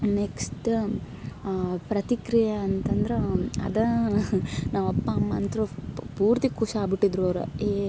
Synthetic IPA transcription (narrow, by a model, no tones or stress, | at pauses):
neksʈ | pɾɐt̪ikɾijɐːnt̪ɐnd̪ɾeɐ̰d̪ɐ | naːʋɐpːɐːmːɐːnt̪ɾupuːɾt̪ikːuʂaːbiʈːid̪ɾuoːɾṵe